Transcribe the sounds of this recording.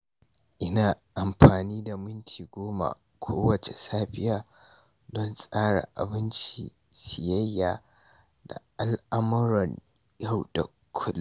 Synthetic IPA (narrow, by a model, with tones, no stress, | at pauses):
ʔɪ˦naː˨ʔa˨mɸaː˨niː˦da˨mʊ˦ntʰiː˨ɡʷoː˦ma̰˨ | kʷʰoː˦wɐ˨t͡ʃe˨saː˦ɸɪ˦jaː˨ | dɔ˦nsʼaː˦ɽa̰˨ʔa̰˨bɪ˦nt͡ʃḭː˨ | sɪ˨jɐ˦jːaː˨ | da̰˨ʔa˨lʔa˦mɐ˦ɾɔ˨ɲ | ja˦˨wda˨ | kʷʰʊ˦l